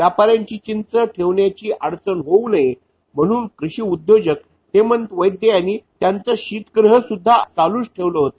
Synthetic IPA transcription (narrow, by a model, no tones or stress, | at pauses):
ʋjapaɾjãɲt͡ɕiːt͡ɕint͡səʈʰeʋɳjat͡ɕiːʔaɽt͡sənɦowləe | m̤əɽ̃uːnkɾuɕiːud̪jod͡ʑək | t̪emənt̪ʋəjd̪jəjanit̪jant͡səɕiːt̪ɡɾəɦəsud̪ʱːat͡saluːsʈʰeʋləɦot̪o